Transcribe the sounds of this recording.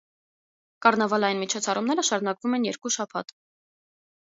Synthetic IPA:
kɑrnɑvɑlɑjinmit͡ʃʰɔt͡sʰɑrumnɛɾəʃɑɾun̪ɑkvumɛnjɛɾkuʃɑpʰɑ̰t̪

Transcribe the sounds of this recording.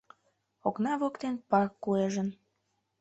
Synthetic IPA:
oknɑβokt̪enpɑkːueʒən

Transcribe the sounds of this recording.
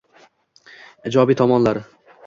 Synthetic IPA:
d͡ʒɒbit̪ʰɒmɒnlˠaɾ

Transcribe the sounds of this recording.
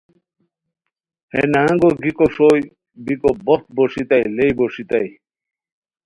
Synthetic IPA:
hḛnaaŋɡoɡikoʂoj | bikobɔt̪̚boʂit̪ajlejboʂit̪aj

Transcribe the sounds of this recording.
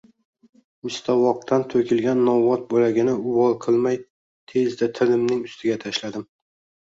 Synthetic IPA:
mɪst̪ʰɒwɒq̚t̪ʰant̪ʰɵkʲɪlɡʲanːɒvɒt̪̚bolaɡʲɪnɪʊwɒlˠqʰɨlˠmaj | t̪ʰe̞zd̪at̪ʰɪlɪmnɪŋʊst̪ʰɪɡʲat̪ʰaʃlad̪ɪm

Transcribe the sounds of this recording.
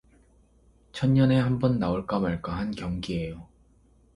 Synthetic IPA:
t͡ɕʰʌnɲʌne̞ɦambʌnːaoɭk͈amaɭk͈aɦankjʌŋɡie̞jo

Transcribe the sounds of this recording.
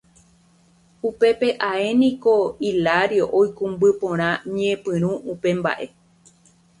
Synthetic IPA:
upe̞pe̞ʔae̞nĩko̞ilaɾjoʔojkũmbɨpõɾ̃ãɲẽpɨ̃ɾ̃ũʔupe̞mba̰ʔe̞

